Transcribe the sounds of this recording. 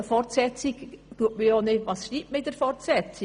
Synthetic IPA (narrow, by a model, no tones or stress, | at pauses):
əfɔrtsɛt͡sikt̪uətməjɔːnɪʋɑːsʃɾiːptməɪd̥̪əɾfɔrtsɛt͡si